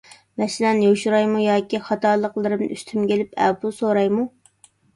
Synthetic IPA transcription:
mɛʃlɛnjoʃuɾɑjmujɑːkʲiχɑt̪ɑːlˠəqlˠɨɾɨmn̰yst̪ʰymkʲelɪpʰɛ̰pusoɾɑjmu

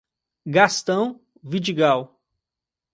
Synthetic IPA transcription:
ɡast̪ɐ̃w̃ | vid͡ʒiɡaw

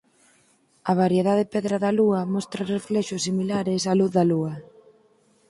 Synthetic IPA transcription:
ɐβ̞aɾjeðaðɪpɛðɾaðɐluɐmɔst̪ɾɐreflɛʃʊsːimilaɾɪsaluθðɐluɐ

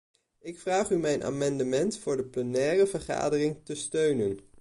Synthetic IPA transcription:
ɪkfraːχymɛjnʔa̰ːmɑndəmɛntfʊːɹdəplənɛːrəvəχa̰ːdərɪŋtəstøɥnən

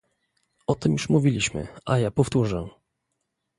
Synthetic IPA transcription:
ɔt̪ɘmjuʂmuvʲilʲiɕmɘ̰ʔajapɔft̪uʐɛ

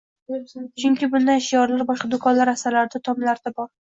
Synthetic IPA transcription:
t͡ʃʰʊŋkʲɪbʊnd̪aɪʃijɒɾlaɾbɒʃqɑd̪ʊkʰɒnlaɾasaɾlaɾd̪at̪ʰɒmlaɾd̪abɒɾ

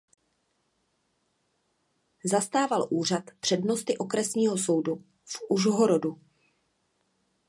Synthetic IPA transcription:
zast̪aːvalʔuːr̝at̪pr̝̥ɛdno̞st̪ɪʔo̞kɾɛsɲiːɦo̞so̞wdu | fuʒɦoɾodu

